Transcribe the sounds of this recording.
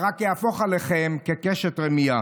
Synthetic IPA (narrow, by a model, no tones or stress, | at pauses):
ʁakjeafoχaleχemkekeʃet̪ʁemija